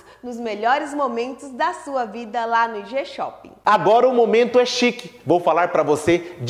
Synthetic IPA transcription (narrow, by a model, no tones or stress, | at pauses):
nʊzmeʎɔɾɪzmomẽnt̪ʊzd̪ɐsuɐvid̪ɐlanʊʒeʃɔ̰pḭ̃aɡɔɾɐʊmomẽnt̪ʊɛʃikɪvowfalaɾpɾɐvosed͡ʒ